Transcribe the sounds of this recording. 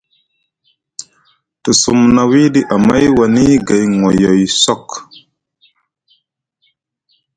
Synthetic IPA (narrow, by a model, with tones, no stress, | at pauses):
tə˨su˨mna˨wi˦di˦ʔa˨ma˦jwa˨ni˦ɡa˨jŋo˨jo˨jsɔ˦k